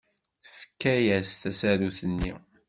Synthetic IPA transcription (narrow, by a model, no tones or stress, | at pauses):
θə̥fə̥kːæjæsθæsæɾuθənːi